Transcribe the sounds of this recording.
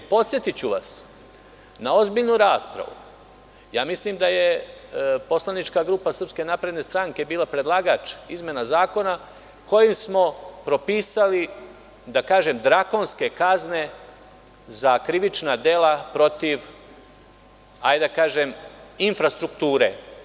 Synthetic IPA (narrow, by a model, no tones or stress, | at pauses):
po̞t̪sje̞t̪it͡ɕuʋas | nao̞zbiʎnuɾaːspɾa̰ʋṵ | jaːmislimd̪aje̞ | po̞slˠanit͡ʃkaɡɾuːpasrpske̞naːpɾe̞d̪ne̞st̪ɾaŋke̞biːlˠapɾe̞d̪lˠaːɡat͡ʃizme̞nazaːko̞na | ko̞jimsmo̞pɾo̞piːsali | d̪akaːʒe̞md̪ɾako̞nske̞kazne | zakɾiʋit͡ʃnad̪elapɾo̞t̪iʋ | hajd̪akaːʒeminfɾast̪ɾukt̪uːɾḛ